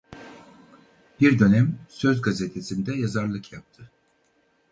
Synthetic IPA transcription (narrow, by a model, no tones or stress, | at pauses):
b̥iɾd̪ø̞næmsø̞zɡazet̪ʰesind̪ɛjazaɾlˠɯkjap̚t̪ʰɯ